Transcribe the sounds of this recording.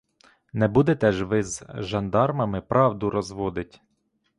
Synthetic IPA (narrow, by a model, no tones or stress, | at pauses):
nɛbud̪ɛt̪ɛʒʋɪzʒɐnd̪ɑrmɐmɪpɾɑwd̪ʊɾɔzʋɔd̪ɪtʲ